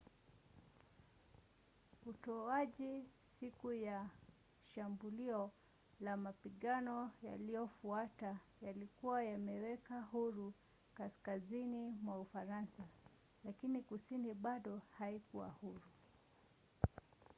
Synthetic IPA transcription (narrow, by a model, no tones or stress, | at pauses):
utɔaʄi | sikuja | ʃambuliɔ | lamapiɠanɔja̰lijɔfuatajalikuwajamɛwɛkahuɾu | kaskazinimwaufaɾansa | lakinikusiniɓaɗɔhaikuwa̰huɾu